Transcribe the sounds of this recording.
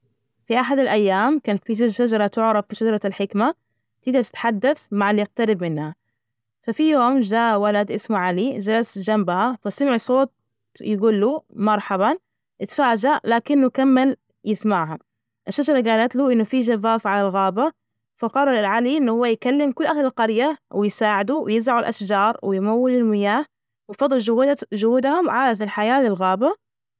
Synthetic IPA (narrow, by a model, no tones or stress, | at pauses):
fiʔaħad̪alʔajːaːmkaːnat̪fiʃaʃad͡ʒɑɾˤɑt̪ʊʕɾˤɑffiʃad͡ʒɑɾˤɑlħɪkma | t̪ɪɡd̪ɑɾˤt̪ɪ̥t̪ħad̪ːaθmaʕaljɪq̚t̪aɾɪbmɪnha | fafijoːmd͡ʒaːʔwalad̪ʔɪsmuʕalid͡ʒalasd͡ʒambahafasɪmɪʕsˤoːt̪̚ | jɪɡuːlːumɑɾˤħaba | ʔɪt̪faːd͡ʒaʔlaːkɪnːukamːal | jɪsmaʕhʊm | ʔaʃːaʒɑɾˤɡaːlat̪luʔɪnːufiʒavaːfʕalalɣaːba | fɑqɑɾˤːɑɾˤlʕaliʔɪnːuhʊwːajkalːɪmkʊlːʔahlɪlqɑɾjawɪjsaːʕɪd̪uwɪjɪzaʕʊlʔaʃd͡ʒɑːɾˤwɪjmawːɪlɪlmɪjaːh | wɪjfɑd̪ˤːɨlʒʊhuːd̪hʊmʕaːlat̪ɪlħajaːlɪlɣaːba